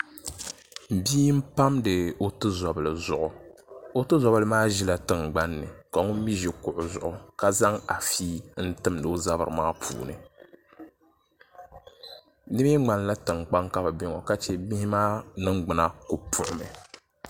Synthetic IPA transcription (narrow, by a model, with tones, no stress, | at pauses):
m̩˨biː˦m̩˦pa˦mdɨ˨o˦tɨ˦zɔ˨bɨ˨lɨ˨zʊ˨ʔʊ˨o˦tɨ˦zɔ˨bɨ˦lɨ˦maː˦ʒi˦la˨tɨ˦˨ŋɡ͡ba˦nːɨ̰˨ka˨ŋʊ˦m̩˦mi˦ʒɛ˨kʊ˨ʔʊ˨zʊ˨ʔʊ˨ka˦za˦ŋa˨fiː˦n̩˦tɨ˦mdɨː˦za˦bɨ˨ɾɨ˨maː˦pʰṵː˨nɨ̰˨ | nɨ˦bŋ͡ma˨nla˦tɨ˨ŋk͡pa˦ŋka˦bɨ˨bɛ˦ŋɔ̰˨ka˦t͡ʃɛ˦bi˦hi˦maː˦nɨ˦ŋɡ͡bɨ˨na˦ko˨pʰʊ˦˨ʔʊ˨mɨ̰˨